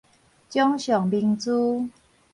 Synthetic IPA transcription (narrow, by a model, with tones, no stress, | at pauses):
t͡ɕjɔ˦ŋɕjɔ˨˩ŋbi˧ŋt͡su˦